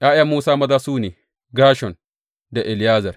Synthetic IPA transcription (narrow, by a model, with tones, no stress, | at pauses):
ʔaː˦ʔa˦muː˦saː˦mɐ˦daː˦suː˦neː˨ | ɡaː˦ʃɔ˨n | da˨ʔɛ˨ljaː˦zɐ˨r